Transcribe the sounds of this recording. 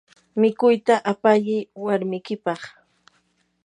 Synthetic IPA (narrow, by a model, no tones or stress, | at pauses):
mɪkʊjt̪aʔapaʎɪwaɾmɪkɪpɑχ